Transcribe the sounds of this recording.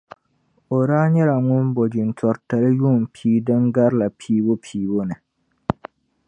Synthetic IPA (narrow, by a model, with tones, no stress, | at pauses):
o˨ɾaː˦ɲɛ˦la˨ŋʊ˦nbo˨d͡ʒɪ˨n˨tʰɔ˨ɾta˨lɨ˦ju˦˨m˨pʰiː˦dɨ˦ŋɡa˦ɾla˨pʰiː˦bo˦pʰiː˦˨bo˦nɨ˨